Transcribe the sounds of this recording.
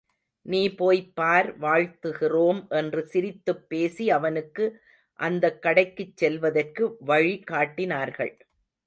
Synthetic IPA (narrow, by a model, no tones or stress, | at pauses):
niːpoːjpːaːɾʋaːɻt̪ɯɣɪroːmʔɛndrɯsɪɾɪt̪ːɯpːeːsiɐʋɐnɯkːɯ | ʔɐnd̪ɐkːɐɽɐɪkːɯt͡ʃːɛlʋɐðɐrkɯʋɐɻikaːʈːɪnaːɾɣɐ̰ɭ